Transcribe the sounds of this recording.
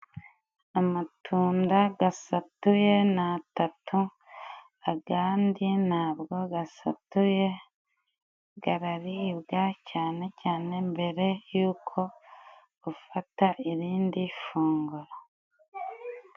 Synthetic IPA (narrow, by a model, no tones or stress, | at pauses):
amatʰuːndaɡasatuje̞naːtatʰu | aɡaːndinaːβɡo̞ɡasa̰tuje̞ | ɡaɾaɾiːβɡacaːne̞caːne̞mbe̞ɾe̞juːkʰo̞ | ufataʔiɾiːndifuːŋɡuɾa